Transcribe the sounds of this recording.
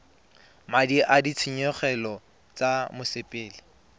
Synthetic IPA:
madiʔadit͡sʰiɲɔχɛlɔ | t͡samʊsɪpʼeːlɪ

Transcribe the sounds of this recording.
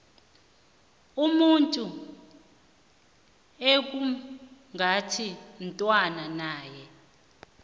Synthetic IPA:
umuntʼu | ek̬uŋʱatʰintʼwananaːjɛ

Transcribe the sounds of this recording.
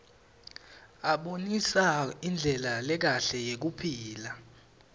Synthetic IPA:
aɓonisaind͡ɮʱɛlalɛk̬aɬɛjek̬upʰiːla

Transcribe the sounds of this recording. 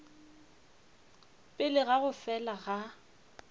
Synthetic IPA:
pʼɪlɪɣaɣʊfɛlaɣa

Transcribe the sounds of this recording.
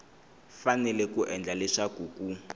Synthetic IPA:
fanɛlɛkuʔɛnd͡ɮalɛʂaɡ̥ʱuːɡ̥u

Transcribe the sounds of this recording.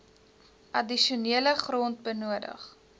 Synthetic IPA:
ʔɐdiʃuniələχrɔnt̚bənuədə̰χ

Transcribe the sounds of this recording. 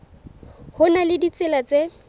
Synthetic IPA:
hʊnalɪdit͡sʼɪlat͡sʼe

